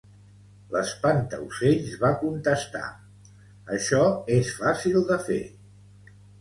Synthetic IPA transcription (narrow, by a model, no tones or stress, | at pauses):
ləspant̪ə̰useʎzβakunt̪əst̪a̰ | əʃɔesfasilˠd̪əfḛ